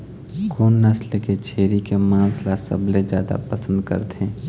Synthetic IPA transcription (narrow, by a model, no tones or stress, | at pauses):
kʰuːnːəsleket͡ʃʰeːɾikemãːnslasə̰bled͡ʒja̰ːd̪a̰pəsə̃nd̪kə̰ɾt̪ẽː